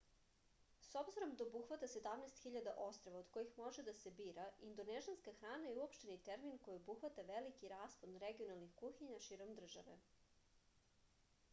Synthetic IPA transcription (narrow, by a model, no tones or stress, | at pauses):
so̞bziɾo̞md̪aobuxʋat̪ase̞d̪amnɛst̪xiʎad̪aʔo̞st̪ɾo̞ʋaod̪ko̞jixmo̞ʒed̪ase̞biːɾaind̪oneʒianskaxɾaːnajeuopʃt̪enit̪eɾminko̞jiobuxʋat̪aʋelikiɾaːsponɾeɡio̞nalˠnixkuxiɲaʃiːɾo̞md̪r̩ʒa̰ʋe̞̰